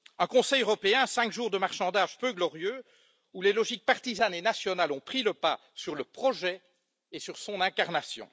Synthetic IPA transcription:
ɛ̃kɔ̃sɛjøʁɔpeɛ̃sɛ̃kʒuʁd̪əmaʁʃɑ̃d̪aʒpøɡlɔʁjø | ulelɔʒik̚paʁt̪izanenasjɔnalɔ̃pχiləpa | syʁləpχɔʒɛ | esyʁsɔ̃nɛ̃kaʁnasjɔ̰̃

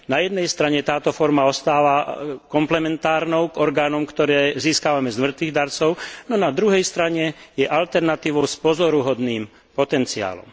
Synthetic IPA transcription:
najɛd̪nɛjst̪ɾaɲɛt̪aːt̪ɔfɔɾmaɔst̪aːʋakɔmplɛmɛnt̪aːɾnɔʊɡɔɾɡaːnɔmkt̪ɔɾɛːziːskaːʋamɛzmr̩t̪ʋiːɣd̪aɾt͡sɔʊnɔnad̪ɾuɦɛjst̪ɾaɲɛjɛʔalt̪ɛɾnat̪iːʋɔʊspɔzɔɾuɦɔd̪niːm | pɔt̪ɛnt͡sia̰ːlɔ̰m

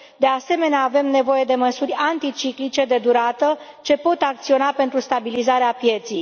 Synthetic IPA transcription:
d̪e̞ase̞me̞neaːve̞mne̞vo̞je̞d̪e̞məsurʲant̪it͡ʃiklit͡ʃe̞d̪e̞d̪uɾat̪ə | t͡ʃe̞po̞t̪akt̪sio̞nape̞nt̪ɾust̪abilizaɾeapje̞t̪sij

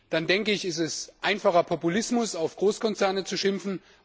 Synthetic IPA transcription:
d̥andɛŋkəɪçɛstɛsʔaɪnfaχɐpʰɔpulɪsmʊsaʊfɡ̥ʁoːskʰɔnt͡sɛɐnət͡suʃɪmfn̩

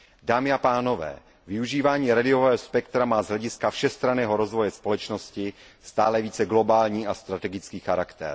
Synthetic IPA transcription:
daːmɪapaːno̞vɛ̰ː | vɪuʒiːvaːɲiːɾadɪovɛːɦospɛkt̪ɾamaːzɦlɛɟɪskafʃɛst̪ɾanɛːɦo̞ɾo̞zvo̞jɛspo̞lɛt͡ʃno̞scɪ | st̪aːlɛviːt͡sɛɡlo̞baːlɲiːʔast̪ɾat̪ɛɡɪt͡skiːxaɾakt̪ɛ̰ɾ

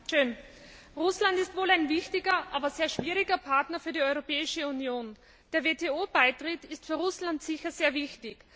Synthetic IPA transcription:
ʃøːn | ʁʊslantɪstvoːlaɪnvɪçtɪɡɐʔaːbɐzeːɐʃv̥iːʁɪɡɐpʰaɐtnɐfyːɐdiɔʏʁopɛːɪʃəunjoːn | d̥eːɐveːtʰeːoːb̥aɪtʁ̥ɪtɪstfyːɐʁʊslantsɪçɐzeːɐvɪçtɪç

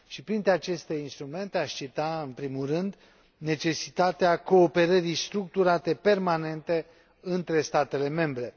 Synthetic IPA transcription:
ʃipɾint̪ɾeat͡ʃe̞st̪e̞inst̪ɾume̞nt̪eaʃt͡ʃit̪aɨnpɾimulrɨnd̪ | ne̞t͡ʃe̞sit̪at̪eako̞ːpe̞ɾəɾijst̪ɾukt̪uɾat̪e̞pe̞rmane̞nt̪e̞ | ɨnt̪ɾe̞st̪at̪e̞le̞me̞mbɾe̞

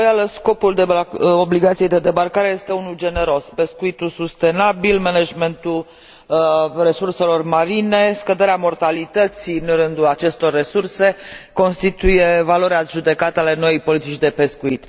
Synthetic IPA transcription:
ojaləsko̞puld̪eobliɡat̪sijejd̪e̞d̪e̞barkaɾe̞je̞st̪e̞unuld͡ʒe̞neɾo̞spe̞skuit̪usust̪e̞nabilmeneʒme̞nt̪ul | re̞surse̞lo̞rmaɾine̞skəd̪e̞ɾeamo̞rt̪alit̪ət̪sinrɨnd̪ulat͡ʃe̞st̪o̞rːe̞surse̞ko̞nst̪it̪uje̞valo̞ɾeaʒud̪e̞kat̪əale̞no̞ijpo̞lit̪it͡ʃʲd̪e̞pe̞skuit̪

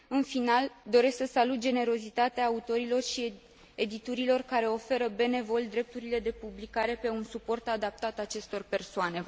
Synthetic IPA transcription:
ɨnfinald̪o̞ɾe̞sksəsalut̪̚d͡ʒe̞ne̞ɾo̞zit̪at̪eaːut̪o̞ɾilo̞rʃi | ed̪it̪uɾilo̞rkaɾe̞o̞fe̞ɾəbe̞ne̞vo̞lʲd̪ɾe̞p̚t̪uɾile̞d̪e̞publikaɾe̞pe̞unsupo̞rt̪ad̪ap̚t̪at̪at͡ʃe̞st̪o̞rpe̞rsoane̞

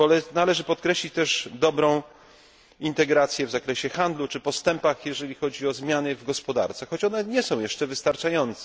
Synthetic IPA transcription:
ɔlɛnalɛʐɘpɔt̪̚kɾɛɕlʲit͡ɕt̪ɛʐd̪ɔbɾɔ̃w̃ | int̪ɛɡɾat̪sʲjɛvzakɾɛɕɛxand̪lut͡ʂɘpɔst̪ɛmpaxjɛʐɛlʲixɔd͡ʑiɔzmʲjanɘvɡɔspɔd̪a̰ɾt̪saxɔt͡ɕɔnɛɲɛsɔ̃w̃jɛʂt͡ʂɛvɘst̪aɾt͡ʂajɔnt̪sɛ

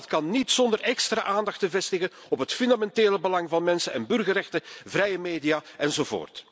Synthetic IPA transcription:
tkɑnːitsɔndərʔɛkstra̰ːʔaːndɑxtəvɛstɪɣən | ɔpɦətfʏndamɛnteːləbəlɑŋvɑnmɛnsənɛnbɵrɣərɛxtəvrɛjəmeːdijaːɛnzovo̰ːrt

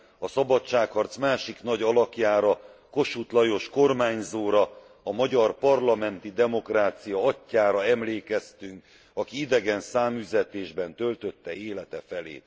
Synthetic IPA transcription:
ɒsɒbɒt͡ʃt͡ʃːaːkhɒrt̪smaːʃiknɒɟɒlɒkjaːɾɒko̞ʃut̪lɒjo̞ʃko̞rmaːɲzoːɾɒ | ɒmɒɟɒrpɒrlɒmɛnt̪id̪ɛmo̞kraːt̪sijɒɒcːaːɾɒɛmleːkɛst̪yŋk | ɒkiid̪ɛɡɛnsaːmyzɛt̪eːʒbɛnt̪ølt̪ø̞t̪ːɛeːlɛt̪ɛfɛlḛː

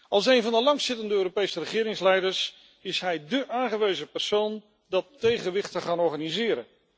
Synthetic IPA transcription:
ɑlˠs̬ejnvɑndəlɑŋsɪtəndəøːɾopejsərəχɪːɾɪŋslɛjdəɹs | ɪsɦɛjdəʔaːŋχəʋejzəpɛɹsown | dɑtːejχəʋɪχtəχaːnɔɹχanizɪːɾə̰

